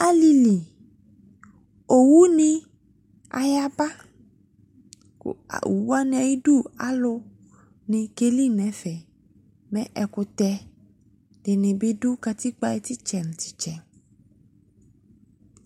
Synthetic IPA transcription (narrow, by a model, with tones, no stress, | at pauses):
a˦li˧li˨ | o˨wu˦nĩ˧ | a̰˨ja˦ba˦ | ka̰˨ṵ˨wu˦a˦nĩ˦a˨ji˦du˦˨a˦lo˧ | nĩ˧ke˦li˦˨nɛ̃˨˦fɛ˨ | mɛ̃˦ʔɛ˨ko˧t̪ɛ˧ | d̥e˨nẽ˨bi˦du˦ka˧t̪i˦k͡pa˦ɛ˧t̪i˦t͡ʃɛ˨ñ̩˨t̪i̥˨t͡ʃɛ˨